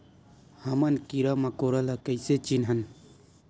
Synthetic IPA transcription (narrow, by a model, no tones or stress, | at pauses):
hɐmɐnkiɾamɐkoɾalakɐjset͡ʃinɦɐn